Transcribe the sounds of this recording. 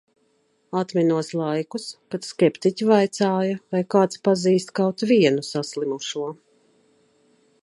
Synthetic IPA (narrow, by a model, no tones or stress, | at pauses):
at̪mʲinuɔslˠajkuskat̪skʲɛpt̪icʲivajt̪saːjɐvajkaːt̪spaziːst̪kawt̪viɛnusaslimuʃuɔ